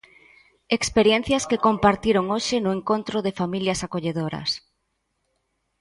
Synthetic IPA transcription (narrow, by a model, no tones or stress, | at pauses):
ekspeɾjɛn̟θjɐskekompaɾt̪iɾoŋoʃɪnʊeŋkont̪ɾʊðefamiljɐsakoʎeðoɾɐ̰s